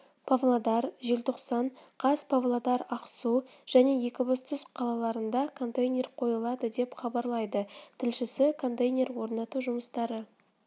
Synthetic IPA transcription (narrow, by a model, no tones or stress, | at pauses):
pʰavlˠad̪ɑɾʒe̞lʲt̪ʰo̞qsɑɴqʰɑspʰavlˠad̪ɑɾɑqsuʒ̥æne̞je̞kʲɪbost̪ʰʊsqʰɑlˠɑlˠɑɾənd̪ɑkʰo̞nt̪ejnʲe̞rqʰo̞jəlˠɑd̪əd̪e̞pχɑbɑɾlˠɑjd̪ət̪ʰɪlʃɪsɪkʰo̞nt̪ejnʲe̞ɾwo̞ɾnɑt̪uʒʊməst̪ɑɾə